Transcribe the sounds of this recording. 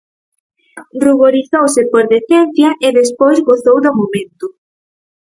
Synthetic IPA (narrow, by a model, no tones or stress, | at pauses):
ruɣoɾiθowsɪpoɾðeθɛnθjɐʔɪðespojzɣoθowðomomẽnt̪ʊ